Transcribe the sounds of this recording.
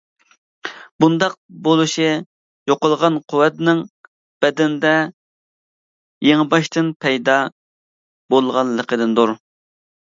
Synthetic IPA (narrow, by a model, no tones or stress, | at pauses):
bund̪ɑq̚bolˠuʃi | joqəlˠʁɑnqʰʊwɛt̪nɪŋ | b̥ɛd̪ɛnd̪ɛ | jeŋbɑʃt̪ɨnpʰɛjd̪ɑ | bolˠʁɑnləqʰəd̪ɨnd̪uɾ